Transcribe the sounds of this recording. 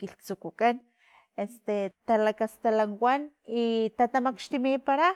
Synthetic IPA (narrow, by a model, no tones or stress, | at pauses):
kilt͡sukukan | est̪et̪alakast̪alanwan | it̪at̪amakʃt̪imipaɾa